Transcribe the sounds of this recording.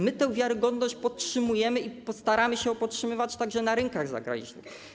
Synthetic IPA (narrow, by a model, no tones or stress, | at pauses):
mɘt̪ɛw̃vʲjaɾɘɡɔd̪nɔɕt͡ɕpɔt̪̚tʂɘmujɛmɘipɔst̪aɾamɘɕɛɔpɔtʂɘmɘvat͡ɕt̪aɡʐɛnaɾɛŋkaɣza̰ɡɾa̰ḭʑɲḭ